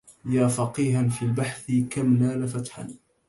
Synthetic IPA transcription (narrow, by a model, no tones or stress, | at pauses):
jaːfɑqiːɦanfiːlbaħθɪkamlaːlafat̪ħa̰n